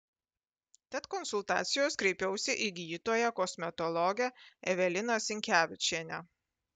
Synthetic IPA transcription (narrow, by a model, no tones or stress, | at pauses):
t̪ʲɛt̪kɔnsʊlˠt̪ɑ̰ːt̪sʲɪjoːskɾʲɛɪpʲɛʊsʲɪʔiɡʲiːt̪oːjɛkɔsʲmʲɛt̪ɔlˠɔɡʲɛɛʋʲɛlʲɪnɐsʲɪŋʲkʲæːʋʲɪt͡ʃʲeːnʲɛ